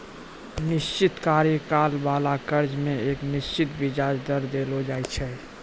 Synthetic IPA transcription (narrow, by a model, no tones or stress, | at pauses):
nɪst͡ʃɪt̪kaːɾjəkaːlbaːlakəɾd͡ʒmẽeːknɪst͡ʃɪt̪bid͡ʒad͡ʒd̪əɾd̪elod͡ʒaːjt͡ʃʰɛ